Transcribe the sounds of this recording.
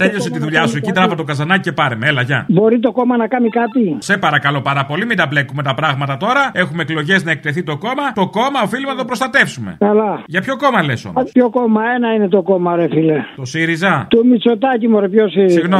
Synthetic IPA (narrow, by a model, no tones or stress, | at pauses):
t̪eʎo̞s̬et̪iðuʎɐsuecit̪ɾɐvɐt̪o̞kɐzɐnɐcicepɐɾemeelɐʝɐ̰bo̞ɾit̪o̞ko̞mɐnɐkɐmikɐt̪ise̞pɐɾɐkɐlo̞pɐɾɐpo̞limid̪ɐble̞kume̞t̪ɐpɾɐɣmɐt̪ɐt̪o̞ɾɐe̞xumeːklo̞ʝe̞znɐek̚t̪e̞θit̪o̞ko̞mɐt̪o̞ko̞mɐofilimnɐt̪o̞pɾo̞st̪ɐt̪e̞fsume̞̰kɐlɐʝɐpço̞ko̞mɐleso̰pçokomɐenɐine̞t̪o̞komɐoɾefilet̪o̞siɾizɐt̪umit͡sot̪ɐcimoɾepçosiɾsiɣno